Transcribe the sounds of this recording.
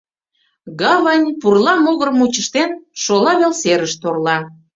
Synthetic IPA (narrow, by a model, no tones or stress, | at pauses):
ɣɑvɑnʲpurlɑmoɣərmut͡ɕəʃt̪enʃolɑβelseɾəʃt̪orlɑ